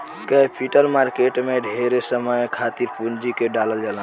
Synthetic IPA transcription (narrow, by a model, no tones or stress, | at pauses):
kəpʰiʈəlmaɾkeʈmeɖʱeɾesəməjkʰat̪iɾpund͡ʒikeɖaləld͡ʒala